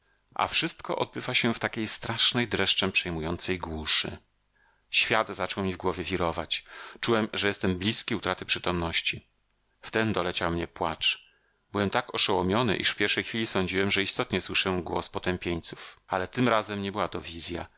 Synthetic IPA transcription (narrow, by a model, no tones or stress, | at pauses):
ʔa̰fʂɘst̪kɔ̰ʔɔ̰d̪̚bɘvaɕɛft̪akʲejst̪ɾaʂnɛjd̪ɾɛʂt͡ʂɛpʂɛjmujɔnt̪sɛjɡwuʂɘ̰ | ɕfʲjad̪zat͡ʂɔwmʲivɡwɔvʲjɛvʲiɾɔva̰t͡ɕt͡ʂuwɛmʐɛjɛst̪ɛmblʲiskʲiut̪ɾat̪ɘpʂɘt̪ɔmnɔɕt͡ɕi | ft̪ɛnd̪ɔlɛt͡ɕawmɲɛpwat͡ʂ | b̥ɘwɛmt̪akɔʂɛwɔmʲjɔnɘ̰ʔḭʂfpʲjɛɾʂɛjxfʲilʲisɔɲd͡ʑiwɛmʐɛist̪ɔt̪ɲɛswɘʂɛɡwɔ̰spɔt̪ɛmpʲjeɲt̪su̥falɛt̪ɘmɾazɛmɲɛbɘwat̪ɔvʲizʲja̰